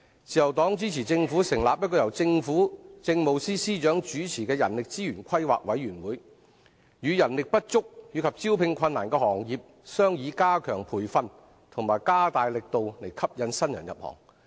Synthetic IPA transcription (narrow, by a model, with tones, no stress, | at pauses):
t͡siː˨jɐ˨˩wt̪ɔː˨˥ŋt͡siː˨˥t͡sʰiː˨˩t͡sɪ˧ŋfuː˨˥sɪ˨˩ŋlaː˨p̚jɐ˥t̚kɔː˧jɐ˨˩wt͡sɪ˧ŋfuː˨˥t͡sɪ˧ŋmo˨˧wsiː˥siː˥t͡ʃœː˨˥ŋt͡ʃyː˨˥t͡sʰiː˨˩kɛː˧jɐ̰˨˩nlɪ˨k̚t͡siː˥jyː˨˩nkʷʰɐ˥jwa̰ː˨k̚wɐ˨˥jɥyː˨˩nwuː˨˥j | jyː˨˧jɐ˨˩nlɪ˨k̚pɐ˥t̚t͡sʊ˥k̚jyː˨˥kʰɐ˨˩p̚t͡si˥wpʰɪ˧ŋkʰɐ˧nːaː˨˩nkɛː˧hɔː˨˩ŋjiː˨p̚ | sœː˥ŋjiː˨˧˥kaː˥kʰœː˨˩ŋpʰuː˨˩jfɐ˧n | t̪ʰʊ˨˩ŋmaː˨˩jkaː˥t̪aː˨jlɪ˨k̚t̪o˨˧wle˨˩jkʰɐ˥p̚jɐ˨˧nsɐ˥njɐ̰˨˩njɐ̰˨p̚hɔ̰ː˨˩ŋ